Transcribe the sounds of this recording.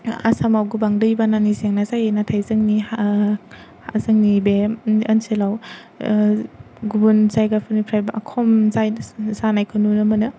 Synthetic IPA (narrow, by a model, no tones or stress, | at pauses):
a̰samawɡubaŋdɯjbananizeŋnazajenatʰajzɯŋnia | hazɯŋnibeɐnselaw | ɡubunsajɡapʰɯnipʰɾajbaakʰɔmzajzanajkʰɯnunɯmɐnɯ